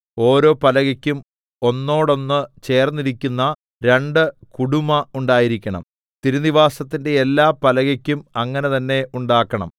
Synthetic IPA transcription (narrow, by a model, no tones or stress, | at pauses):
o̞ːɾo̞ːpɐlɐɣɐkʲːum | o̞nːo̞ːɽo̞nːɨt͡ɕe̞ːrnːiɾikʲːunːɐ | ɾe̞ɳɖɨkuɽumɐuɳɖaːjiɾikʲːɐɳɐ̰m | t̪iɾuniʋaːsɐt̪ːinde̞ːlːaːpɐlɐɣɐkʲːumɐŋːɐne̞t̪ɐnːe̞ʔuɳɖaːkːɐɳɐ̰m